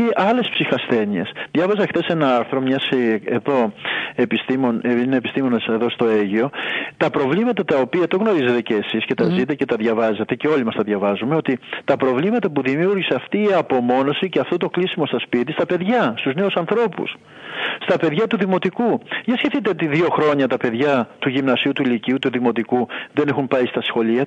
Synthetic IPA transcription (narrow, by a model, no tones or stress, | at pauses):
eʔɐle̞spsixɐsθe̞nie̞̰sðʝɐvɐzɐxθe̞se̞nɐɐɾθɾo̞mɲɐseeðo̞epist̪imoneineepist̪imo̞nɐseðo̞st̪o̞eʝio̞t̪ɐpɾo̞vlimɐt̪ɐt̪ɐopiɐt̪o̞ɣno̞ɾize̞t̪e̞ce̞ːsisce̞t̪ɐzit̪e̞ce̞t̪ɐðʝɐvɐze̞t̪e̞ce̞o̞limɐst̪ɐðʝɐvɐzume̞o̞t̪it̪ɐpɾo̞vlimɐt̪ɐpuðimjuɾʝiseɐft̪iːɐpo̞mo̞no̞siceɐft̪o̞t̪o̞klisimo̞st̪ɐspit̪ist̪ɐpe̞ðʝɐst̪uzne̞usɐnθɾo̞pṵs | st̪ɐpe̞ðʝɐt̪uðimo̞t̪ikuʝɐsçe̞θit̪e̞o̞t̪iðio̞xɾo̞ɲɐt̪ɐpe̞ðʝɐt̪uʝimnɐsiut̪uiliciut̪uðimo̞t̪ikuðe̞ne̞xumpɐist̪ɐsxo̞liɐ